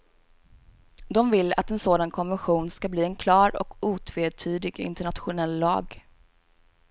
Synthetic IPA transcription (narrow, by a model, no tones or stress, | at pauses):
d̪ɔmvɪlːa̰t̪ɛnsoːd̪ankʰɔnvɛnɧuːnskabliːɛnkʰlɑːɾɔ̰kʰuːt̪ʰveːt̪ʰyːd̪ɪɡɪ̰nt̪əɳat̪ɧʊnɛlːɑ̰ːɡ